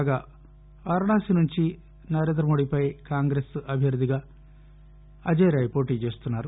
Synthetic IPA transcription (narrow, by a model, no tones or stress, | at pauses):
ɡaː | ʋɐɾɐɳaːsinuɲt͡ʃi | nɐɾe̞ːnd̪ɾɐmo̞ːɽipɐjkaːŋɡɾesɐbʱjɐɾud̪ʱiɡaː | ɐd͡ʒɐjɾaːjipoːʈiːt͡ʃe̞ːst̪unːaːɾu